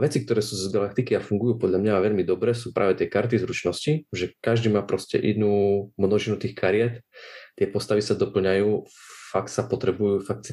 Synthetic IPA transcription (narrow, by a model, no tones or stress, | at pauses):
ʋɛt͡sik̚t̪ɔɾɛːsuːzɡalak̚t̪ikiafuŋɡujuːpɔd̪ʎamɲaʋɛʎmid̪ɔbɾɛːs̬uːpɾʔaːʋɛt̪ɪɛkaɾt̪izɾut͡ʃnɔsciʒɛkaʒd̪iːmaːpɾɔscɛ̰ʔɛnuːmnɔʒinut̪iːxkaɾɪɛt̪t̪ːɪɛpɔst̪aʋisad̪ɔpl̩ɲajuːfakt̪sapɔt̪ɾɛbujuːfak̚t̪s